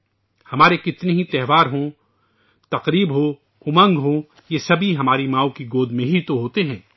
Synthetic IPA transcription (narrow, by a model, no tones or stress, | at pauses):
hɐmaːɾekɪt̪neɦit̪ɛɦʋaːɾɦõ | t̪ɐqɾiːbɦo | ʊmɐ̃ŋɡɦõ | jesɐbʱiɦɐmaːɾimãːokiɡoːd̪mẽɦit̪oɦoːt̪eɦɛ̃ː